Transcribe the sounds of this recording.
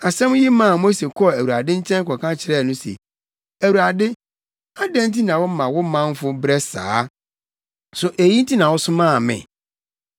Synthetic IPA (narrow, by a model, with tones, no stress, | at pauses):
a˨sɛ̃˦m̃˦ji˦mã˦˨mo˦se˨kʰɔ˦˨æ˨wu˨ɾa˨dɪ˦ɲ̩˦t͡ɕʰɛ̃˦n˦kɔ˨kʰã˦t͡ɕʰɪ˦ɾɛ˦˨nʊ̃˦sḛ˨ | æ˨wu˨ɾa˨dɪ˦ | a˦dɛ̃˦n˦ti˦nã˨wʊ˦mã˨wʊ˦mã˦m˦fʊ˦bɾɛ˦sa̰ː˨˦ | sʊ˨ʔe˨jĩ˦n̩˦ti˦nã˨wʊ˦sʊ˦mãː˦˨mɪ̰̃˨